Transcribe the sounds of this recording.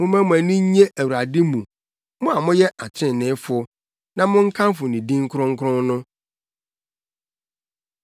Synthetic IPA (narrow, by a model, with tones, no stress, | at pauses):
mʊ̃˦mæ̃˦mʊ̃˨æ̃˨nĩ˦ɲẽ˦ʔæ˨wu˨ɾa˨dɪ˦mũ˨ | mʊ̃˦a˨mʊ̃˦jɛ˦ʔa˨t͡ɕʰɪ̃˦˨nɪ̃˨˦fʊ˦ɔ˦ | nã˦˨mʊ̃˦ŋ̩˦kʰã˦mfʊ˨nĩ˨dĩ˦ŋ˦kʰɾʊ̃˦ŋ̩˦kʰɾʊ̃˦nnʊ̃˦